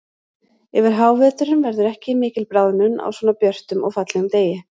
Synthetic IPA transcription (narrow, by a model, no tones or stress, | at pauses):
ɛvɪɾ̥ɦaːwvɛːt̪ʏɾʏmvɛɾðʏɾɛhcɪmɪːcɪlpɾaːwðnʏna̰wswɔːnapjœr̥t̪ʏmɔ̰ɣfat̪lɛɣʏmt̪eːjɪ